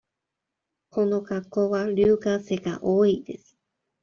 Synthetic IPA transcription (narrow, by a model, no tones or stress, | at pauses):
kʰonokakːoβaɾɯːkaseɡa̰ʔoːid̪̥esɨ̥